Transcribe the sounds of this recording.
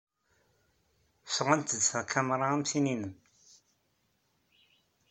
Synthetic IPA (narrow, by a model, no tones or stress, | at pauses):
fəʁænt̪əd̪θækʰæmɾˤɑæmsininəm